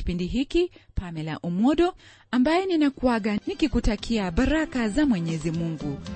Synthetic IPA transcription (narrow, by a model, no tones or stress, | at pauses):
i̥pindiɦikipamɛla̰ʔumɔɗɔ | ambajɛninakuaɠanikikutakʰiaɓaɾakazamwɛɲɛzimuŋɡu